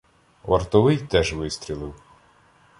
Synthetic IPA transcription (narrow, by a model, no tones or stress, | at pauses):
ʋɐ̰rt̪ɔʋɪjt̪ɛʒʋɪsʲt̪ʲɾʲilˠɪw